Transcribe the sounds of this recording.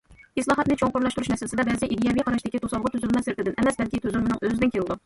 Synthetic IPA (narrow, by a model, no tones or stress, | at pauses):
ɪslˠɑːɦɑt̪̚nɪt͡ʃʰoŋqʊɾlˠɑʃt̪uɾuʃnɛsɪlɪsɪd̪ɛbɛziʔid̪ijɑvijqʰɑɾɑʃd̪ɪkʲit̪ʰosɑlˠʁʊt̪ʰyzylmɛsɪɾpɪd̪ɪnʔɛmɛsbɛlkʲit̪ʰøzylmɪnɨŋøzɪd̪ɪnkʰʲeld̪u